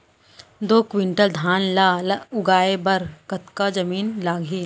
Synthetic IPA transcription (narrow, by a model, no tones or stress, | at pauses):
d̪oːkʋɪ̃ɳʈəld̪ʱaːnlaːlʊɡaːebɐɾkɐt̪kad͡ʒɐmiːnlaːɡʱiː